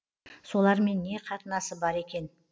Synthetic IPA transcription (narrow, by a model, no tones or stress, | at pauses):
so̞lˠɑɾme̞nːe̞qʰɑt̪ənɑsəbɑɾe̞kʲe̞n